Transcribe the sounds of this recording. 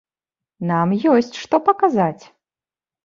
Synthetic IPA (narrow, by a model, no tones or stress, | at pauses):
namjɔsʲt͡sʲʂt̪ɔpɐkazat͡sʲ